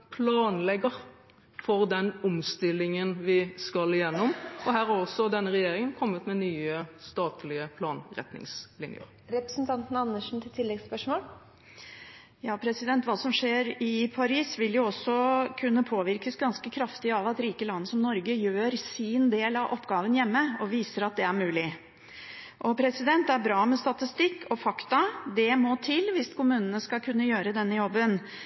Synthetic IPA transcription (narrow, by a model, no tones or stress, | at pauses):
pʰlɑːnlɛɡəʁ | fɔʁd̪ɛnʊmst̪ɪlːɪŋənʋɪskɑlɪjɛnːɔmɔɦæːɾhɑɾɔsːɔd̪ɛnːəɾɛjeːɾɪŋənkʰɔmːət̪mɛnyːəst̪ɑːt̪lɪəpʰlɑːnɾɛ̰t̪nɪ̰ŋslɪ̰njə̰ɾ | ɾɛpɾəsnt̪ʰɑnt̪n̩ɑnːəʂn̩t̪ʰɪlt̪ʰɪlːɛɡspœʂmoːl | jɑːpʰɾɛsɪd̪ɛnt̪ʋɑːsɔmʂeːɾɪpʰɑɾiːsʋɪljʊɔsɔkʰʉnːəpʰoːʋɪɾkəsɡɑnskəkʰɾɑft̪ɪɑʋɑt̪ɾiːkəlɑnːəsɔmnɔɾɡəjøːɾsɪnd̪eːlɑʋʔɔpːɡɑːʋənjɛmːəɔʋiːsəɾɑt̪̚d̪ɛæɾmʉːlɪ | ʔɔpʰɾɛsɪd̪ɛnt̪æɾbɾɑːmɛst̪ɑt̪ɪst̪ɪkːʰɔfɑkt̪ɑd̪ɛmɔt̪ʰɪlːʋɪskʰʊmʉːnənəskɑlkʰʉnːəjøːɾəd̪ɛnːəjɔbːən